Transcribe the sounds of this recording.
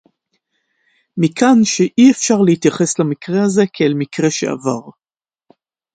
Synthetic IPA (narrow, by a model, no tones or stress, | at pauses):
mikʰanʃeʔiefʃaʁleit̪jaχe̞slamikʁe̞haze̞kʰeelmikʁe̞ʃḛa̰vaʁ